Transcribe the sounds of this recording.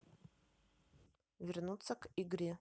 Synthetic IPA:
vʲɪrnut̪sɐkiɡɾʲi

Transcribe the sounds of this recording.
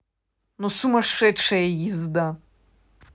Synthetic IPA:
nɔsumɐʂɛʂɛjɛjizd̪a

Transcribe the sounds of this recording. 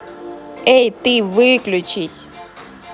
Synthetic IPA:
ejt̪ɨvɨklʲut͡ɕisʲ

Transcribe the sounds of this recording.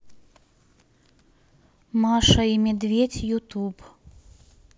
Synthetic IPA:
maʂɐimʲɛd̪vʲet͡sʲjut̪up

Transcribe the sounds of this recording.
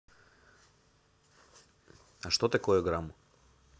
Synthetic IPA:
aʃt̪ɔt̪ɛkɔjuɡɾamu

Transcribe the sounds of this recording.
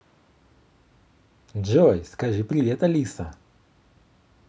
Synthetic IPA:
d͡ʒojskɐʐɨpɾʲɪvʲet̪ɐlʲisɐ

